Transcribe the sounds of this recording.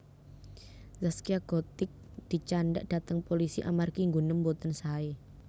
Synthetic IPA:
zaskiaɡ̥ot̪ɪk̚d̪̥i̤t͡ʃanda̰ʔd̥at̪əŋpolisiʔa̰markiŋɡunəmbot̪ənsae

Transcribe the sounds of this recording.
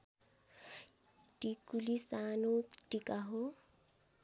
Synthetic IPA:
ʈikulisanoʈikaɦo

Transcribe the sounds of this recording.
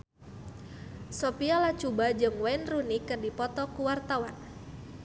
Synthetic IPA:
sopiɔlat͡ʃubad͡ʒɨŋwaɪnrunikɨrdipɔt̪ɔkuwart̪awan

